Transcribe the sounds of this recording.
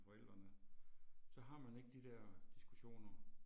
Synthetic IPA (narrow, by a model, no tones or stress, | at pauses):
fɒ̽el̰d̥ʁɐnə | sɒ̽ɦɑ̈mæne̝ɡ̥əd̥id̥ɛɐ̰d̥isɡ̥uɕo̝̰ːnɐ